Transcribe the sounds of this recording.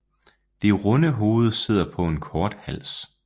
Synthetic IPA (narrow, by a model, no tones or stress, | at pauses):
d̥e̝ʁɔ̽nəɦo̝ːð̞̩ˠse̝ð̞̰ˠɐpʰɒ̽e̝nkʰɒːd̥hæl̰s